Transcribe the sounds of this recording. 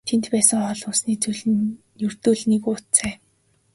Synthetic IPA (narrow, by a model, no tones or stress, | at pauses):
t̪ʰent̪pæːsə̆ŋχɔɮʊːsniːt͡sɵɮn | jɵr̥t̪ɵːɮnekʊt̪t͡sæː